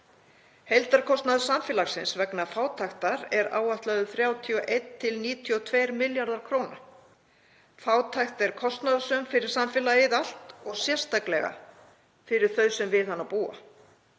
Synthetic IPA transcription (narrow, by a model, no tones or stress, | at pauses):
hejlt̪aɾkʰɔst̪naðsamfɛlaɣsɪnsvɛknafaːwt̪ʰajxt̪aɾɛɾa̰ːwaht̪laðʏθɾjaːwt̪ʰiɔʔejt̪ʰːɪlniːt̪ʰiɔt̪ʰvejɾmɪljaɾðaɾ̥kʰɾowna | faːwt̪ʰajxt̪ɛɾ̥kʰɔst̪naðasœmfɪɾɪɾ̥samfɛlaɪðal̥t̪ɔɣsjɛr̥st̪aklɛ̰ɣa̰ | fɪɾɪɾ̥θœɥsɛmvɪðanːapuːa̰